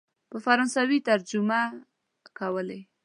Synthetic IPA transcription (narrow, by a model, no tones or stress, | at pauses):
pəfaɾɑnsawit̪aɾd͡ʒʊma | kawəle